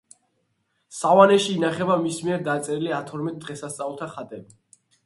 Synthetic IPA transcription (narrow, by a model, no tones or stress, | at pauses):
savanɛʃiːnaχɛbamismiɛɾd̪at̪sʼɛɾiliat̪ʰɔɾmɛt̪̚d̪ʁɛsast̪sʼavulˠt̪ʰaχat̪ʼɛbi